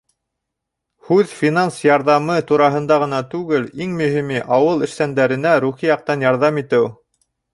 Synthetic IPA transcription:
hʉðfʲinansjɑɾðɑmɤt̪uɾɑɦɤ̆nd̪ɑʁɤ̆nɑt̪ʉɡɘliŋmɵ̆himiʔɑwɤlˠɘ̆ʃt̪ænd̪æɾɘ̆næɾuχijɑq̚t̪ɑnjɑɾðɑmit̪ɘw

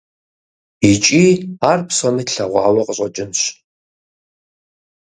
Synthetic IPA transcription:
it͡ʃʼiarpʰsanɨɬaʁʷaʕalʊqʼɕʷʼat͡ʃʼɪnʃʷ

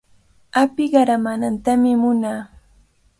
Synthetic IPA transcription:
apɪɢɑɾamanant̪amɪmʊnaː

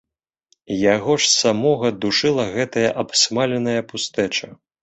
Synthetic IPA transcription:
jaɣɔʂsamɔɣɐd̪uʂɨlˠɐɣɛt̪ɐjɐʔapsmalʲɛnɐjɐpust̪ɛt͡ʂɐ

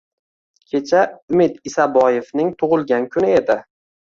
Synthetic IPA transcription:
kʲʰe̞t͡ʃʰaʊmɪd̪ɪsabɒjefnɪŋt̪ʰʊʁɨlˠɡʲankʰʊnɪed̪ɪ

